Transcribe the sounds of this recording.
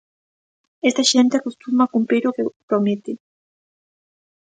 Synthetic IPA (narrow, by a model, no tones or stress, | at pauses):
est̪aʃent̪eakost̪umaːkumpɾiɾokepɾomet̪e